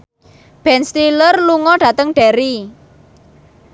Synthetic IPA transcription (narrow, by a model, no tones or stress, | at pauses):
b̥ɛnst̪ilərluŋɔɖ̥ä̤t̪əŋɖ̥ɛɾi